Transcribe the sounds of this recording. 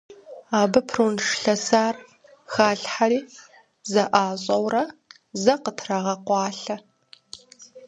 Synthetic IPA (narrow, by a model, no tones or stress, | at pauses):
aːbɐpʰrunʂɬɐsaːr | xaːɬħaɾiː | zɐʔaːɕʼɐwrɐ | zɐqətʰrɐʁɐqʷɑːɬɐ